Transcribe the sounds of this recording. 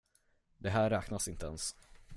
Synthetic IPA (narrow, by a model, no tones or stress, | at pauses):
d̪ɛɦæːɾːɛːknasɪnt̪əɛns